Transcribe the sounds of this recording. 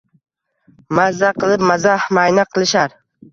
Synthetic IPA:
mazːaqʰɨlˠɪp̚mazahmajnaqʰɨlˠɪʃaɾ

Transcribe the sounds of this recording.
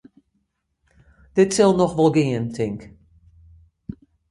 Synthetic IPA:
d̥ɪtsɪlˠnɔxʋɔlˠɡɪːəntʰɪŋk

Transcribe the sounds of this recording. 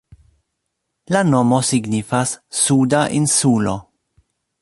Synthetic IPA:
lanomosiɡnifasːudaʔinsulo̰

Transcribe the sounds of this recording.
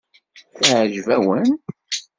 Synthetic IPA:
θʕʒvæwən

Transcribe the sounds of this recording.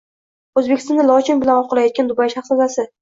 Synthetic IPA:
ɵzbekʲɪ̥st̪ɒnɪlˠɒt͡ʃɪnbɪlanɒqʰɨlˠajɒt̪̚kʲand̪ʊbajʃaχsazasɪ

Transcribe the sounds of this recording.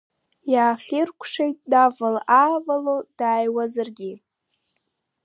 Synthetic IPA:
jaːχʲirkʷʰʂejtʼdavalaːvalod̥aːjwazɨrɡʲi

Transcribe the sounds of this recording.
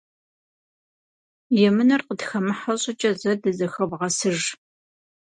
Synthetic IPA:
jɛmɨnɐrqədxɐmɨħɐɕʼɪt͡ʃʼɐzɐdɐzɐxɐbʁɐsɨʒ

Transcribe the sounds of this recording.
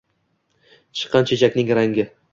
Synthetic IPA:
t͡ʃʰɨ̥qʰːɑnt͡ʃʰet͡ʃʰakʲnɪŋɾaŋɡʲɪ

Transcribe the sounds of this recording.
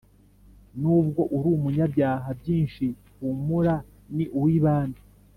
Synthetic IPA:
nub̚ɡo̞ʔuɾumuɲabɟaːɦabɟiːnʃi | humuɾa | niʔuwiːβaːndi

